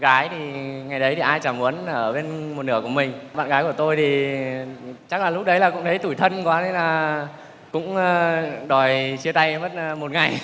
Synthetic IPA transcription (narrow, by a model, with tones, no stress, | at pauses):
ɣaː˨˦jt̪ʰi˨˩ŋa˨˩jɗə˨˦jt̪ʰi˨˩ʔaː˧jt͡ɕaː˧˩mʔu˨˦ənʔəː˧˩ɓe˧nmo˨˩t̚nɨ˧˩əku˧˩əmï˨˩ŋ̟ɓa̰ː˧˨nɣaː˨˦jku˧˩ət̪o˧jt̪ʰi˨˩ | t͡ɕa˦˥k̚laː˨˩lʊ˦˥k͡p̚ɗə˨˦jlaː˨˩kʊ̰˧˥ŋ͡mtʰə˨˦jt̪u˧˩jt̪ʰə˧nkwaː˨˦ne˧˦laː˨˩ | kʊ̰˧˥ŋ͡mɗɔ˨˩jt͡ɕi˧ət̪a˧jm˦˥t̚ːmo˨˩t̚ŋa˨˩j